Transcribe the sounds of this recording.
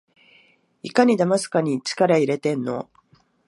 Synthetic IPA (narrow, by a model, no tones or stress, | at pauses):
ikaɲ̟id̪amasɨ̥kaɲ̟it͡ɕi̥kaɾaiɾe̞t̪ẽ̞nːo̞̰